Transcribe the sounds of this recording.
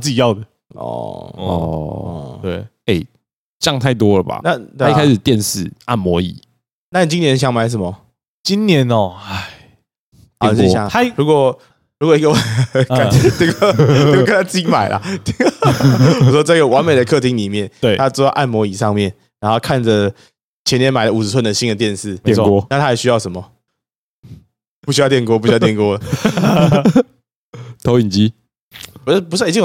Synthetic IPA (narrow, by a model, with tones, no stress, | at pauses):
t͡sɨ˥˩t͡ɕi˨˩jɑ˥˨ʊd̪ə˨˩ | ɔ̰˨˩ɔɔ˩t̪we˥˩ɪ | e˥˩ɪ | t͡ɕjɑ˥˨ŋt̪ʰa˥˧˩ɪt̪wɔ˦lə˨˩ba̰˨na˥˨t̪we˥˩˦kʰa˥ɪʂ̩˨˩t̪jɛ˥˧nʂɻ̩˥˩a̰˥˩nmwɔ˧˥ḭ˨˩˦ | na˥˩ni˨˩t͡ɕi˦njɛ˧˦nɕjɑ˧˥ŋma˧˥ɪʂ̬ə˨˩nmə˩ | t͡ɕi˦nnjɛ˧˦nɔ˨a˥˩˨ | jɑ̰˨˦ŋa˥ɻu˧˥kwɔ˨˩ | ɻu˧˥kwɔ˨˩i˥ɡə˧˩ka˨˩˧t̪i˥˧kːo˧kə˦nt̪a˥t͡ɕi˥ma˨˩ɪlʔa̰˨˦t̪ʰi˧˩ŋ˩ | ʂwɔ˥t͡sa˥˧˥ɡə˩wa˧˦nme˨ɪd̪ə˩kʰɤ˥˨t̪ʰi˧˥ŋli˨˩mjɛ˥˩ne˥˩t̪ʰa˦˥t͡sɔ˥˧˥ʔa˥˩nmwɔ˧˥i˨˩ʂɑ˥˧ŋmjɛ˥˩n | ɻa˧˥nxo˥˧ʊkʰa˥˩nd͡zə˩ | t͡ɕʰjɛ˧˦njɛ˦nma˨ɪlə˦u˨˩˧t͡sʰwə˥˩nd̪ə˩ɕi˥ndə˨t̪jɛ˥˧nsɹ̩˥˩e˨˦ɛ˨˧kɔ˦˥na˥˩t̪ʰa˦˥jɛ˨˩ɕy˥jɑ˥˩ʊʂə˨˩nmɔ˩ | pu˥ɕ̬y˥ɑ˥˧ʊt̪jɛ˥˨nk̬wɔ˥p̬u˥ɕtjɛ˥˩nkwɔ˥ | t̪ʰo˧˥ʊi˨˩ŋt͡ɕi˦˥ | pu˧˥pu˥˩˨t͡ɕi˥˩